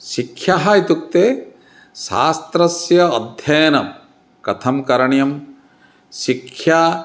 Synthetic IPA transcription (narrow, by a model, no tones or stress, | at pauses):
ʃikʰjaɦɐit̪uk̚t̪eː | ʃa̰ːst̪ɾɐsjɐːd̪ʱjɐjɐnɐm | kɐt̪ʰɐmkɐɾɐɳjɐm | ʃikʰjaː